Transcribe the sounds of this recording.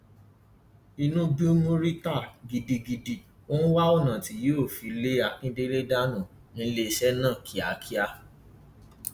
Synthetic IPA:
i˧nũ˦bi˦o˦mũ˦ɾi˦ta˦˨ɡi˨di˧ɡi˧di˧ | o˦ñ̩˦wa˦o˦˨nã˨ti˨˦jo˦˨fi˨˦le˦a˧˨kĩ˦de˦ɾe˦da˦nũ˦˨ | nĩ˦le˦˧˦ʃɛ˦nã˦˨kʰi˨a˨kʰi˦a˧

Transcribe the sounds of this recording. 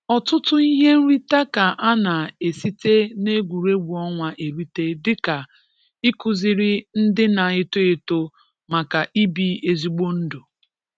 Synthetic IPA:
ɔ˨tʊ˦tʊ˦i˦ɦe˦n̩˦ɾi˦ta˦ka˨ʔa˦na˨e˨si˦te˦ne˦ɡʷu˨ɾe˦ɡʷu˨ɔ˦ŋʷa˦ʔe˨ɾi˦te˦dɪ˦ka˨ | i˦kʊ˨zɪ˨ɾɪ˦n̩˦dɪ˦na˨e˦to˦e˨to˦ | ma˨ka˨ʔi˦bi˨e˨zi˨ɡ͡bo˦n̩˦do˨

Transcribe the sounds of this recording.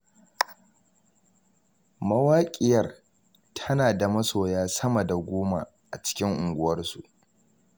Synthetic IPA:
mɐ˦waː˦kʲʼɪ˦jɐ˦˨r | tʰɐ˦naː˨da˨mɐ˦soː˨jaː˦sɐ˦mɐ˨da˨ɡʷoː˦ma̰˨ | ʔa˨t͡ʃɪ̥˦kʲɪ˦ŋʔʊ˨ŋɡʷʊ˦wɐ˦rsu˨ʔ

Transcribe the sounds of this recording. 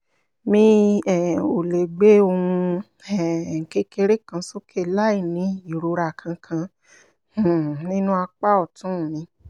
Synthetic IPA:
mĩ˧ɛ˨o˨le˨ɡ͡be˦o˧hũ˧ | ɛ˦˨ŋ̩˨ke˧ke˧ɾe˦kã˧so˦kʰe˦˨la˦i˦˨nĩ˧i˦˨ɾo˨˦ɾa˧˨kʰã˧kʰã˧ | h̩˦˨nĩ˦nũ˦a˧k͡pa˦ɔ˦˨tũ˨˦˨mĩ˧˦

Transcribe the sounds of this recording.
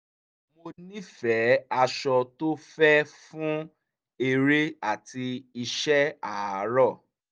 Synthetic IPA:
mo˧nĩ˦fɛ˨˦a˧ʃɔ˧to˦fɛ˦fũ˦ | e˧ɾe˦a˦˨ti˧i˧ʃɛ˦a˦˨a˨˦ɾɔ˦˨

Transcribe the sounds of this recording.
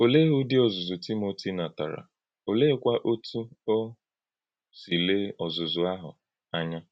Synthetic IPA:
o˨le˦ɦu˦dɪ˦ɔ˨zʊ˨zʊ˨ti˦mo˨ti˦na˨ta˨ɾa̰˨ | o˨le˦kʷa˦ʔo˦tʰu˦o˦ | si˨le˦ɔ˨zʊ˨zʊ˨a˦ɦʊ̰˨ | a˦ɲa˦

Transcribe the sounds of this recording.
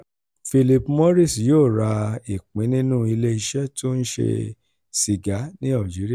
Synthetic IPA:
fi˧li˧pmo˦ɾi˦˨sjoː˦˨ɾa˧i˨k͡pĩ˨˦nĩ˦nũ˦i˧le˦i˧ʃɛ˦to˦ñ̩˦ʃḛ˧ | si˨ɡa˨˦nĩ˦a˦˨d͡ʒi˨˦ɾi˦a˦˨

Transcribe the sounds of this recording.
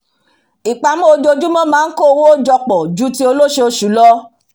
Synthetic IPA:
i˨k͡pa˨˧mũ˦o˧d͡ʒo˧d͡ʒu˦mɔ̃˦mãː˦n̩˦ko˦˨˧wo˦d͡ʒɔ˧k͡pɔ˨d͡ʒu˦ti˦o˧lo˦ʃe˧o˧ʃu˨˦lɔ˦

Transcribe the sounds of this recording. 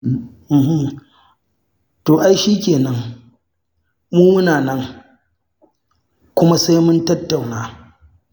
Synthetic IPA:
hm | toː˨ʔa˦jʃiː˦kʲeː˨nɐ˦ŋ | muː˦mʊ˦naː˨nɐ˦ŋ | kʷʊ˦ma˦sa˦jmʊ˦ntɐ˦tːa˨wnaː˦

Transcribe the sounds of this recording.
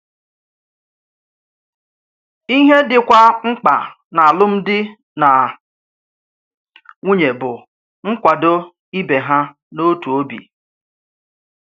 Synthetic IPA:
i˦ɦe˦dɪ˨kʷa˦ŋ͡m̩˦k͡pa˨ | na˨a˨lʊ˦m̩˦dɪ˦ | na˨ | ŋu˦ɲe˨bʊ˨ | ŋ̩˦kʷa˨do˦ | i˦be˨ɦa˦ | no˦tu˨o˦bḭ˨

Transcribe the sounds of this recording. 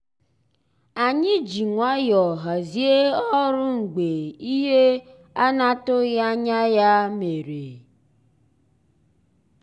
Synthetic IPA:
a˨ɲɪ˦d͡ʒi˨ŋʷa˦jɔ˨ɦa˨zi˦e˦ɔ˦ɾʊ˦ŋ͡m̩˨ɡ͡be˨i˦ɦe˦ | a˦na˦tʊ˦ɣa˦ɲa˦ja˦me˨ɾe˨

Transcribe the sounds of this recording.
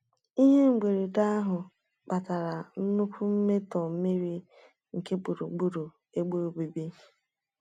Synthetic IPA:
i˦ɦe˦ŋ͡m̩˨ɡ͡be˨ɾe˨da˦a˦ɦʊ˨ | k͡pa˨ta˨ɾa˨n̩˦nʊ˦kʷʊ˦m̩˦me˦tɔ˨m̩˦me˦ɾi˦ | ŋ̩˨ke˦bu˨ɾṵ˨ɡ͡bu˦ɾo˨ | e˦ɡ͡bo˦ɾo˨ɡ͡bi˨bi˦

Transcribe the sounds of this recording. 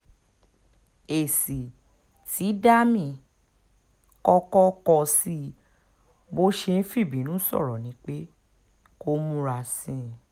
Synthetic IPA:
e˨si˨ | ti˨˦da˦mĩ˦˨ | kɔ˧kɔ˦kɔ˧si˦ | bo˦ʃe˧n̩˦fi˦˨bĩ˨˦nũ˨˦sɔ̰˦˨ɾɔ˨nĩ˨˦k͡pe˦ | ko˦mũ˧˦ɾa˧sĩ˦˨

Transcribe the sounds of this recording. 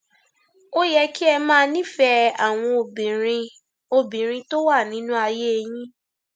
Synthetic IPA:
o˦jɛ˦ki˦ɛ˧mãː˦˧˦nĩ˦˨fɛ˧a˨w̃ɔ̃˧o˧bĩ˨ɾ̃ĩ˧ | o˧bĩ˨ɾ̃ĩ˧to˦wa˦˨nĩ˨˦nũ˦a˧je˦e˧j̃ĩ˦

